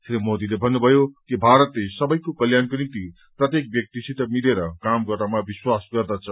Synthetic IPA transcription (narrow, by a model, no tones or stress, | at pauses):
tʰɾemod̪ilebʱʌnːubʱʌjokibʱaɾʌt̪lesʌbʌjkokʌljankɾint̪i | prʌt̪jek̚bjʌk̚t̪isʰit̪ʌmileɾʌkamɡʌramabiswasɡʌrd̪at͡sʰʌ